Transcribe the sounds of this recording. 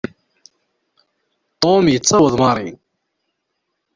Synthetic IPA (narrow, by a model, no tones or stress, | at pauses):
t̪ˤomjət͡sːt͡sːɑwəðˤmɑɾˤḭ